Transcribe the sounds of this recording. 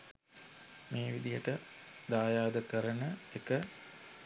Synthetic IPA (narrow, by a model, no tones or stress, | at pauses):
meːʋid̪ijəʈəd̪aːjaːd̪əkəɾənəekə